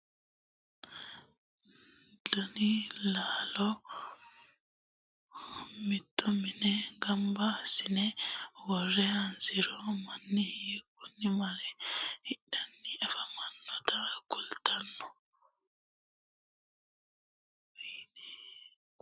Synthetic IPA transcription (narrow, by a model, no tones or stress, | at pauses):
d̪ɔnɪlaːlɔ | mɪt̪ːɔmɪnɛɡɐmbɐsɪnɛwɔrːɛɐnzɪɾɔmɐnːɪhkːʊnːɪmɐlɛhɪɗɐnːɪɛfɐmɐnːɔt̪ɐkʊlt̪ʰɐnːɔ | binɛ